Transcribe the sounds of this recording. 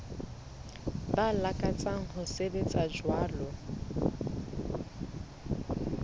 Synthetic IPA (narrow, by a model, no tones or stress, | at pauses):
balakʼat͡sʼaŋ̩hʊsebet͡sʼad͡ʒwaːlɔ